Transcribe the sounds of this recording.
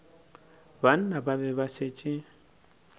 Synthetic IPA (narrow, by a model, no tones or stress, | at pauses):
ban̩nabaβɛbaset͡ʃʼɪ